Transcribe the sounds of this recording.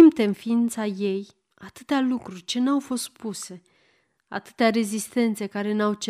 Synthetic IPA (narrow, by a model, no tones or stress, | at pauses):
imp̚t̪e̞nfiint̪saje̞j | at̪ɨt̪ealukɾurʲt͡ʃe̞nawfo̞st̪̚puse̞ | a̰t̪ɨ̥t̪eaɾe̞zist̪e̞nt̪se̞kaɾe̞nawt͡ʃe